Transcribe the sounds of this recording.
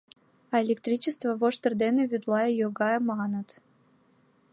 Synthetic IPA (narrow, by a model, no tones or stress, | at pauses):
ɑelʲek̚t̪ɾʲit͡ɕəst̪vəvoʃt̪ərd̪eneβʲyd̪lˠɑjəjoɡɑjəmɑnət̪